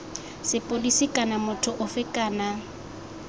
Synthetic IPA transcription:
sɪpʼolisikʼanamʊtʰʊʔʊfɪkʼaːna

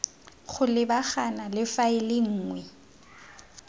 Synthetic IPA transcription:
χʰʊlɪbaχanalɪfaɪlɪŋ̩ːŋwɛ

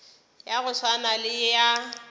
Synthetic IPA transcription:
jaɣʊsanalɪja

